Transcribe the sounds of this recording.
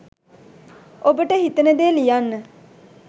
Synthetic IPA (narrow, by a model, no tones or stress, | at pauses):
obəʈəɦit̪ənəd̪eːlijanːə